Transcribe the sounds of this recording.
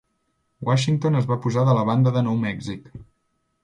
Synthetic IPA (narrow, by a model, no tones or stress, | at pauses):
waʃiŋt̪onəzβapuzaðələβ̞and̪əðənɔwmɛɡzik